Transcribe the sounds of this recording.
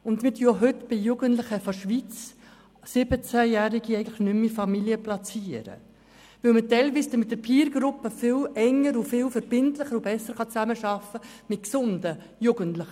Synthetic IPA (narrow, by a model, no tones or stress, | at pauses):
ʊndmɪtyəoɦʏtb̥ɪjuːɡəntlɪχəfɔʃʋit͡s | sɪbət͡sæjæːɾiɡ̥iɛɪɡəntlɪxnʏmifɑmiliəplɑt͡siːəɾə̰ | ʋɪlmətɛɪlʋiːsd̥̪əmɪtdəɾpʰiːɾɡɾʊpːəfɪlɛŋːəɾʊfɪlfəɾb̥ɪntlɪχəɾʊb̥ɛsːəɾχɑt͡sæməʃɑfə | mɪt̚ksʊndə | juːɡəntlɪχə